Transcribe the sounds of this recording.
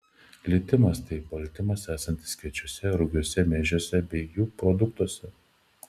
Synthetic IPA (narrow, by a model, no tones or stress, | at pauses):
lʲɪt̪ʲɪmɐst̪ɐɪpɐlʲt̪ʲɪmɐsæːsɐnʲt̪ʲɪ̥skʲɛt͡ʃʲʊsʲɛɾʊɡʲuɔsʲɛmʲɛːʒʲoːsʲɛbʲɛɪjuːpɾɔd̪ʊk̚t̪uɔsʲɛ